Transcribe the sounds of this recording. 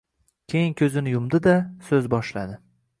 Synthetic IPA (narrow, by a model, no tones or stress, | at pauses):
kʲʰejɪŋkʲʰɵzɪnɪjʊmd̪ɪd̪asɵzbɒʃla̰d̪ɪ